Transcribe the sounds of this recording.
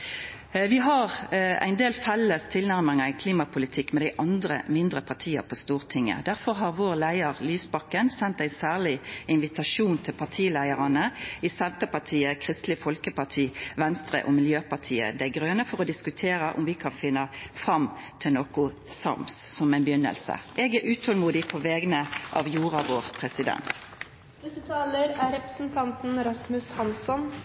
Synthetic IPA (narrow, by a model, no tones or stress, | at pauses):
ʋɪɦɑʁæ̰ɪnd̪eːlfɛlːəst̪ʰɪlnæʁmɪŋəɪkʰliːmɑpʰʊlɪt̪ʰɪkːmɛd̪æɪʔɑnd̪ɾə̰mɪnd̪ʁəpʰɑʁt̪ʰiːə̰pʰɔst̪uːʁt̪ʰɪŋːə̰d̪æʁfɔʁɦɑʁʋoːʁlæɪɑʁlyːsbɑkːənsɛnt̪æɪnsæːʁlɪɪnʋɪt̪ɑʂuːnt̪ʰɪlpʰɑʁt̪ʰiːlæɪəʁɑnəɪsɛnt̪əpɑt̪ʰiːəkʰʁɪst̪lɪfɔlkəpɑʁt̪ʰiːʋɛnst̪ʁə̰ʔɔmɪljøːpɑʁt̪ʰiːə̰d̪æɡʁøːnəfɔʁɔd̪ɪskʉt̪ʰeːɾəʔʊ̰mʋɪkʰɑnfɪnːəfʁɑmt̪ʰɪnoːkʊ | sɑ̰msːɔmæɪnbjʏnːə̰lsə̰ʔɛɡæʔʉːt̪ʰɔlmuːd̪ɪpʰoʋɛːɡənəʔɑ̰ʋjuːʁɑʋoːʁpʰʁɛsɪd̪ɛ̰nt̪ | d̪ɪət̪ʰɑːləɾæɾɛpɾəsn̩t̪ʰɑnt̪n̩ɾɑsmʉshɑnsɔn